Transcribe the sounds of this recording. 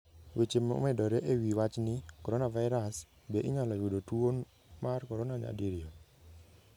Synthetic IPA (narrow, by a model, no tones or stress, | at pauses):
wet͡ʃemo̰mɛdɔɾɛʔewiwat͡ʃnɪkɔɾɔnavaɪɾas | beʔɪɲalɔjʊdotwon | markɔɾɔnaɲa̰diɾjo